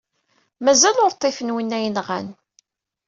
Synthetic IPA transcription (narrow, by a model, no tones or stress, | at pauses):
mæzælʊɾt̪ˤːefənwinːæjənʁæ̰n